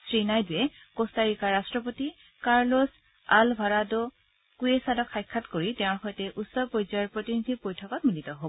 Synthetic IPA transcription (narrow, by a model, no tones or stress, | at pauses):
sɹinajdujɛ | kostaɹikaɹastɹɔp̬oti | kaɹlos | albʱaɹado | kuesadɔkxajkʰːatkoɹitɛʊ̃ɹxojtɛʔusɔpojzɔjɔɹpɹotinidʱipojtʰɔkɔt̚minitɔɦobɔ